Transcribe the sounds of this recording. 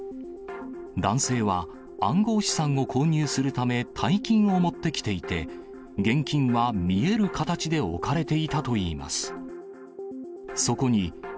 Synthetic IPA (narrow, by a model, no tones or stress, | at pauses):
d̪ãɰ̃se̞ːβãː | ŋɡo̞ːɕi̥sãŋo̞kʰo̞ːɲ̟ɨːsɨɾɯ̟t̪ame̞t̪ʰaikʲĩɰ̃o̞mo̞t̪ːe̞kʲi̥t̪e̞it̪e̞ | ɡẽ̞ŋkʲĩɰ̃βamʲie̞ɾɯ̟kat̪at͡ɕid̪e̞o̞̰kaɾe̞t̪e̞it̪at̪o̞iːma̰sɨ̥ | so̞ko̞ɲ̟i